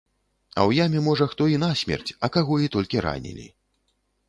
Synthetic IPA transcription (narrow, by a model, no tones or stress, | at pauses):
ɐ̰wjamʲɛmɔʐɐxt̪ɔin̪asʲmʲɛ̰rt͡sʲɐkaɣɔit̪ɔlʲkʲiɾa̰nʲḭlʲḭ